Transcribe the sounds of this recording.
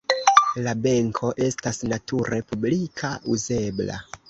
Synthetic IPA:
labe̞ŋkʰo̞ʔe̞stasnatʰuɾe̞publikʰauze̞bla̰

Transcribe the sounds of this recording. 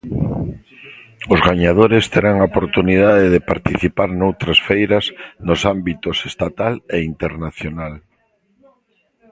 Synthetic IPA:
ʊzɣaɲaðoɾest̪eɾaŋaopoɾt̪unið̞aðeðepaɾt̪iθipaɾnowt̪ɾasfejɾɐznosambit̪osest̪at̪aleint̪eɾnaθjonal

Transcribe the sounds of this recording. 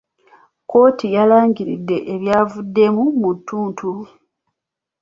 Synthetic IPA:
ko̞ːtʰijalaːɲɟiɾḭdːe̞ʔːβjaːvudːe̞mumutːuːntʰu

